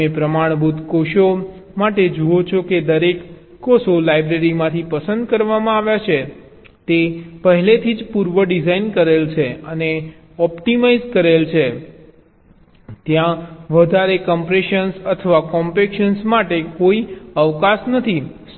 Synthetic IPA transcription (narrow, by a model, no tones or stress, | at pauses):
epɾəmaɳ̃bud̪ʱkoʃo | maʈed͡ʒuot͡ʃʰoked̪əɾekː | osolajbɾeɾimãt̪ʰipəsənd̪kəɾʋamãaʋjat͡ʃʰe | t̪epəɦɛlet̪ʰid͡ʒpuɾʋəɖizainkəɾelt͡ʃʰeəne | ɔpʈimaizkəɾelt͡ʃʰe | t̪jãʋəd̪ʱaɾekəmpɾeʃənsət̪ʰəʋakɔmpekʃənsmaʈekoiəʋkasnət̪ʰi | s